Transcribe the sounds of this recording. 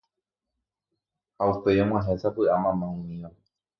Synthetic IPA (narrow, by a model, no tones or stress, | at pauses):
haupe̞jõmw̃ãɦe̞sapɨʔamãmãũmĩʋa